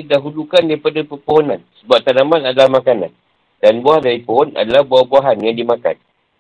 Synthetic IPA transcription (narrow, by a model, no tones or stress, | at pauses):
idaɦulukandaɾipadapərpoɦonãnsəbap̚t̪anamãnadalahmakanã̰n | danbuaɦadaipoɦɔna̰dalahbuabuaɦanjaŋdimãka̰n